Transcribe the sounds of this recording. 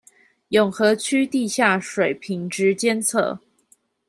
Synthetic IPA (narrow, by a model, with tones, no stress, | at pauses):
jʊ˨˩ŋxɤ˨˥t͡ɕʰy˥t̪i˥˧ɕja˥˩ʂwe˨˩ɪpʰi˧˥ŋʈ͡ʂɻ̩˧˥t͡ɕjɛ˥nt͡sʰɤ̰˥˩